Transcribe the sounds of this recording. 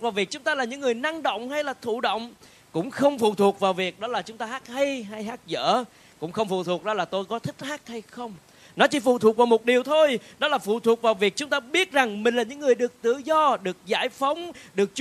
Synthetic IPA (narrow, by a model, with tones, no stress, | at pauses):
vaː˨˩wvi˨˩k̚t͡ɕʊ˨˦ŋ͡mt̪aː˧laː˨˩ɲɨ̰˧˥ŋːɨ˨˩əjna˧ŋɗo̰˧˨wŋ͡mha˧jlaː˨˩t̪ʰṵ˧˨ɗo̰˧˨wŋ͡m | kʊ̰˧˥ŋ͡mxə˧wŋ͡mfṵ˧˨t̪ʰu˨˩ək̚vaː˨˩wvi˨˩ək̚ɗɔ˨˦laː˨˩t͡ɕʊ˨˦ŋ͡mt̪aː˧ɦaː˦˥k̚hə˧jɦa˧jɦaː˦˥k̚zə̰ː˧˥ | kʊ̰˧˥ŋ͡mxə˧wŋ͡mfṵ˧˨˩t̪ʰu˨˩ək̚ɗɔ˨˦laː˨˩t̪o˧jkɔ˨˦t̪ʰï˦˥k̟̚haː˦˥k̚ha˧jxə˧wŋ͡m | nɔ˨˦t͡ɕi˧˦fṵ˧˨˩t̪ʰu˨˩k̚vaː˨˩wmo˨˩t̚ɗi˨˩əwt̪ʰo˧jɗɔ˨˦laː˨˩fṵ˧˨t̪ʰu˨˩ək̚vaː˨˩wvi˨˩ək̚t͡ɕʊ˨˦ŋ͡mt̪aː˧ɓi˦˥ət̚za˨˩ŋmï˨˩ŋ̟laː˨˩ɲɨ̰˧˥ŋːɨ˨˩əjɗɨ˨˩ək̚t̪ɨ̰˧˨zɔ˧ɗɨ˨˩ək̚za̰ː˧˩jfə˨˦wŋ͡mɗɨ˨˩ək̚t͡ɕ